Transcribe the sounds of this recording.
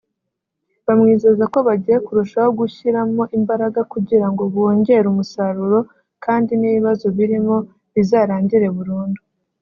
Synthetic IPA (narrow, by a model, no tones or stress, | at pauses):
βamŋiːze̞ːzako̞βaɟiːje̞kuɾuʃaho̞ɡuçiɾamo̞ʔimbaɾaɡakuɟiɾaŋɡo̞βoːɲɟe̞ɾumusaɾuɾo̞ | kʰaːndiniβiβazo̞βiɾimo̞ | βizaːɾaːɲɟiɾe̞βuɾuːndu